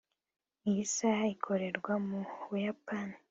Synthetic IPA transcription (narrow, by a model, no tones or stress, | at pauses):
ijisaikʰo̞ɾe̞ɾɡwamuβujapani